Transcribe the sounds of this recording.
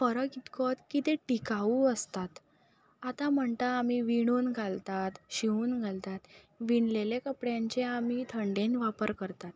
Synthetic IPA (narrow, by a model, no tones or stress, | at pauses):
fəɾəkit̪kot̪kit̪eʈikauːəst̪at̪ | at̪am̤əɳt̪aːmiʋiɽ̃uːnɡʱalt̪at̪ɕiuːnɡʱalt̪at̪ | ʋinlelekəpɽjãɲt͡ɕeamit̪ʰəɳɖẽnʋapəɾkəɾt̪at̪